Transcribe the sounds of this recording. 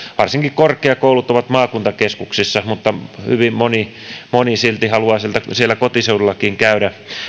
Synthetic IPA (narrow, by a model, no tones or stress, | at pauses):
ʋɑrsiŋkikkorkˑeɑkoulut̪oʋɑt̪mɑːkunt̪ɑkeskuksisːɑmut̪ːɑhy̰ʋimmoni | monisilt̪ihɑluɑːsielt̪æsielːækot̪iseudulːɑkiːŋkæyɾæ